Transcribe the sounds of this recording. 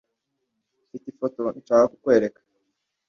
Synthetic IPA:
fitifo̞to̞nit͡ʃaːaɾaku̥kwe̞ːɾe̞kḁ

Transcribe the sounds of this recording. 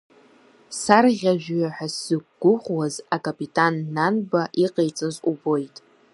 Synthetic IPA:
sarʁʲaʒᶣɥaħᶣasɨkʷɡ̥ʷʊχʷwazakʼapʼitʼanːanbaʔiqʼejt͡sʼazubo̞jtʼ

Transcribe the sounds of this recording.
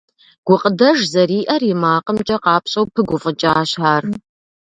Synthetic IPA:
ɡ̥ʷʊqʼədɐʒzɐɾiːʔɐrjɪmaːqəmt͡ʃʼɐqɑːpɕʼɐwpʰɨɡʷʊfʼət͡ʃʼaːɕħaːr

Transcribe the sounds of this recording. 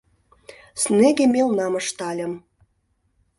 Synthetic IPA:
sneɡʲemʲelnɑmə̆ʃt̪ɑlʲə̆m

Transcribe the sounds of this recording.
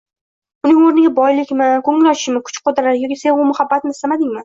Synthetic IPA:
ʊnɪŋoɾnɪɡʲabɒjlɪkʲmɪkʰɵŋlɒʃɪ̥ʃmɪkʰʊ̥t͡ʃqod̪ɾaɾjɒkʲisenʊmʊhabːat̪mɪsamad̪ɪŋʲman

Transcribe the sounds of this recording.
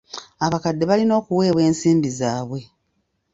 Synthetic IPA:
aβakadːe̞βalino̞ːkuwe̞ːβwe̞ːnsiːmbizaːβwe̞

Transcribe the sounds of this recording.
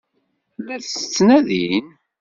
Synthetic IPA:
lːæθsət͡sːnæðin

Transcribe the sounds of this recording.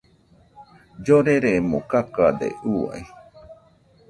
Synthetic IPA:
d͡ʒoɾeɾemõkakad̪ḛʔua̰e

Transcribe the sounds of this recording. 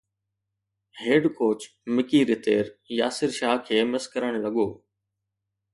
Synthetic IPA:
ɦeːɖkoːt͡ʃ | mɪkiːɾɪt̪eːɾjaːsɪɾʃaːɦkʰeːmɪskəɾəɽ̃lɐɠoː

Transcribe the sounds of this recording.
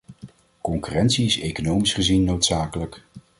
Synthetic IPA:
kɔŋkyrɛntsiɪsejkonowmisχəzinːowtsaːkələk

